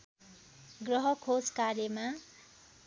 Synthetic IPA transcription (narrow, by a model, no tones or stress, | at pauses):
ɡrʌɦʌkʰod͡zkaɾjʌma